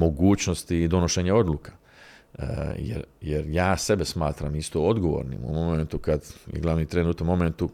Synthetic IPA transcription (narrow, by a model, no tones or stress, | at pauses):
mo̞ɡuːt͡ɕno̞st̪iːd̪o̞noʃeɲao̞d̪lukḁ | jḛɾjeɾjaːse̞be̞smaːt̪ɾamist̪ood̪ɡo̞ʋo̰ɾnḭmṵmo̞ment̪ukad̪jḛɡlˠaʋnit̪ɾenut̪anmo̞ment̪u